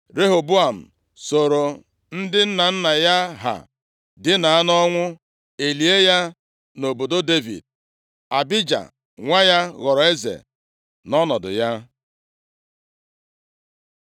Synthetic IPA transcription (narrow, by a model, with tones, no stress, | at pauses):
ɾe˦ɦo˨bu˦a˨m̩˨ | so˨ɾo˨ | n̩˦dɪ˦n̩˦na˨n̩˦na˨ja˦ɦa̰˨ | dɪ˦na˨a˦nɔ˦ŋʷʊ˦ | e˨li˨e˦ja˦ | no˨bo˨do˦de˦vḭ˨d̚ | a˨bi˦d͡ʒa̰˨ | ŋʷa˦ja˦ɣɔ˨ɾɔ˨e˦zḛ˨ | nɔ˦nɔ˨dʊ̰˨ja˦